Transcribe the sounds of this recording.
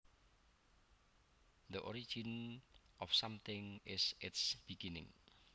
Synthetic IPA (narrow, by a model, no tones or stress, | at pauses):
d̪əʔɔɾi̥d͡ʒin | ɔfsamt̪ɪŋɪsɪtsb̥iɡinɪ̰̃ŋ